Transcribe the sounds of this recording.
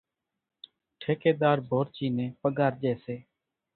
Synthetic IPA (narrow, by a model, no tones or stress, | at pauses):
ʈʰeːkeːd̪aːɾbʱoːɾt͡ʃiːnẽːpəɠaːɾd͡ʒeːseː